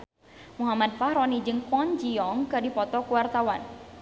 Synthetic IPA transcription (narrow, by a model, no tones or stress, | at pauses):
muɦamad̪̚fahɾɔnid͡ʒɨŋkwɔnd͡ʒiɔŋkadipɔt̪ɔkuwart̪awan